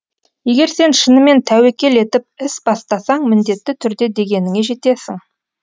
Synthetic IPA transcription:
je̞ɡʲe̞ɾse̞nʃənəme̞nt̪ʰæwe̞kʲe̞le̞t̪ɪp̚ɪsbɑst̪ɑsɑɴmɪnd̪e̞t̪ːɪt̪ʰʏɾd̪e̞d̪e̞ɡʲe̞nɪŋeʒe̞t̪e̞sɪŋ

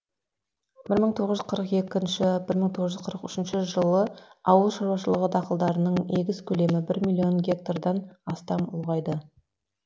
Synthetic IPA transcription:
b̥ɪɾməɴt̪ʰo̞ʁəzʒzqʰəɾəqe̞kʲɪnʃɪbɪɾməɴt̪ʰoʁəzʒʏzqʰəɾəqʏʃɪnʃɪʒəlˠəɑwəlˠʃɑɾwɑʃəlˠəʁəd̪ɑqəlˠd̪ɑɾənəɴne̞ɡʲɪzkʲʰɵle̞mɪbɪɾmilʲːio̞nɡʲe̞k̚t̪ard̪ɑnɑst̪ɑmʊ̰lˠʁɑjd̪ə

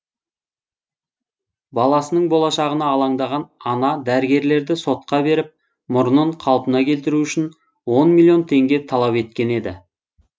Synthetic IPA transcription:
bɑlˠɑsənəɴbo̞lˠɑʃɑʁənɑːlˠɑɴd̪ɑʁɑnɑnɑd̪æɾɪɡʲe̞ɾle̞ɾd̪ɪso̞t̪̚qɑbe̞ɾɪp̚ | mʊɾənəɴqʰɑlˠpənɑkʲʰe̞lt̪ɪɾuʏʃɪn | wo̞nmʲilʲˠjo̞nt̪ʰe̞ŋɡʲe̞t̪ʰɑlˠɑpe̞t̪̚kʲe̞ne̞d̪ɪ̰

